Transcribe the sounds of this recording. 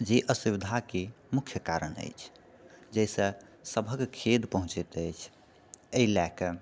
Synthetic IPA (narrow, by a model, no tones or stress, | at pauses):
d͡ʒeʔəsubid̪ʱake | mukʰjəkaɾənə̰jt͡ʃʰ | d͡ʒɛjsə̃səbʱəɡkʰed̪pəɦũt͡ʃɛt̪əjt͡ʃʰ | eilak